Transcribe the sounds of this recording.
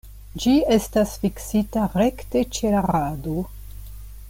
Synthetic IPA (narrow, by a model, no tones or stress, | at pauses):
d͡ʒie̞stasfiksitaɾe̞kte̞t͡ʃe̞laɾado